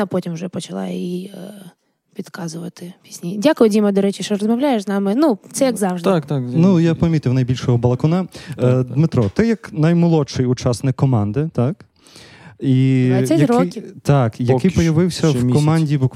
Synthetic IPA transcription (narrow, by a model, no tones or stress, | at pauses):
ɐpɔtʲimwʒɛpɔt͡ʃɐlˠɑ̰ji | ʋʲid̪kɑzʊʋɐt̪ɪpʲi̥sʲnʲidʲakʊjʊdʲimɐd̪ɔɾɛt͡ʃiʃt͡ʃɔɾɔzmɐwlʲajeʃznɑmɪnut̪sɛjɐɡzɑwʒd̪kt̪nujapɐmʲit̪ɪwnɐjbʲilʲʃɔɦɔbɐlˠɐkɔnɑd̪mɪt̪ɾɔt̪ɛjɐknɐjmɪlˠɔʃɪjʊt͡ʃɑsnɪkːɔmɑnd̪ɪt̪ɑk | iɛzɐɾɔkʲt̪ɑkjɐkɪjpɔjɐʋɪwsʲɐkɔmɑnʲdʲibuk